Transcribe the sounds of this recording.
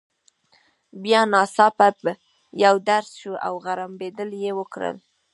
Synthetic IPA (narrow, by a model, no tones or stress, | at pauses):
bjɑnɑsɑpat̪̚bə | jawd̪aɾsʃuʔa̰wɣaɾambed̪əljewəkɾə̰l